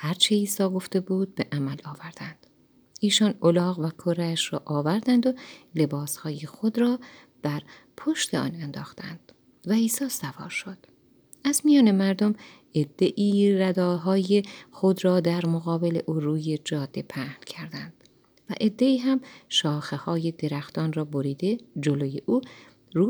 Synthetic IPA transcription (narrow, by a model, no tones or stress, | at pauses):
hæɾt͡ʃʰeiːsɒːɡo̞ft̪e̞buːd̪̚be̞ʔæmælɒːvæɾd̪̥ænd̪̥ | ʔiːʃɒnolɒːɣvækʰoɾæʃrɒ̰ːʔɒːvæɾd̪ænd̪ole̞bɒːshɒːjexo̞d̪ɾɒː | d̪̥æɾ | pʰo̞ʃt̪ʰe̞ɒ̰ːnænd̪ɒ̰ːxt̪æ̰nd̪̥ | væiːsɒːsævɒ̰ːɾʃo̞d̪̥ | æzmijɒːne̞mæɾd̪o̞m | e̞d̪ːe̞ʔiːɾæd̪ɒːɦɒːjexo̞d̪ɾɒːd̪æɾmoɣɒːbe̞le̞̰ʔuːruːje̞d͡ʒɒːd̪̥ːe̞pʰæhncʰæɾd̪ænd̪̥ | væ̰ʔe̞d̪ːe̞iːɦæmʃɒːxehɒːje̞d̪e̞ɾæxt̪ɒːnrɒːboɾiːd̪ed͡ʒoloje̞ʔuː | ɾuː